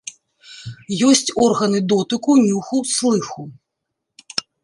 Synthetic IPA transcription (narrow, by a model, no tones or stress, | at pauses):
jɔsʲt͡sʲɔrɣɐnɨd̪ɔt̪ɨkunʲuxuslˠɨxu